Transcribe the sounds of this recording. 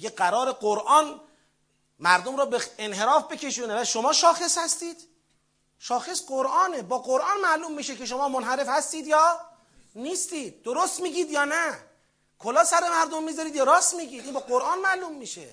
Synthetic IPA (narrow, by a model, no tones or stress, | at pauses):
ɡeɡæɾɒːɾeɡoɾʔɒːn | mæɾd̪omɾɒːbeenɦe̞ɾɒːfbe̞cʰe̞ʃuːnevæʃomɒːʃɒːxeshæst̪iːd̪̥ | ʃɒːxe̞sɢoɾʔɑːnebɒːɡoɾʔɑːnmæʔluːmːiːʃekʰe̞ʃ̬o̞mɒːmonɦæɾe̞fhæst̪iːd̪jɒː | niːst̪iːd̪̚ːoɾost̪miːɟiːd̪jɒːnæ | kʰolɒːsæɾe̞mæɾd̪omːiːzɒɾid̪jɒːɾɒːst̪miːɟiːd̪iːnbɒːɡoɾʔɑːnmæʔluːmːiːʃḛ